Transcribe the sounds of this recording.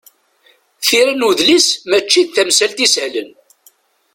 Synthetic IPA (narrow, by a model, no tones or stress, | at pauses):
θiɾænuðlismæt͡ʃːid̪θæmsælt̪isʕlən